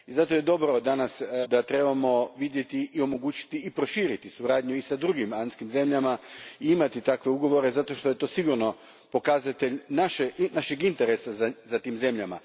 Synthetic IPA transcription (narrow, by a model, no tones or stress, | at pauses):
izat̪o̞je̞d̪o̞bɾo̞d̪anasd̪at̪ɾe̞bamo̞ʋid̪je̞t̪iʔːo̞mo̞ɡuːt͡ɕi̥t̪iːpɾo̞ʃiːɾit̪isuɾaːd̪ɲuisad̪ɾuɡimant̪skimze̞mʎamaiimat̪it̪akʋe̞uɡo̞ʋo̞ɾe̞zat̪o̞ʃt̪o̞je̞t̪o̞siɡuɾno̞ | po̞kazat̪eʎnaʃenaʃeɡint̪eɾesazazat̪iːmze̞mʎama̰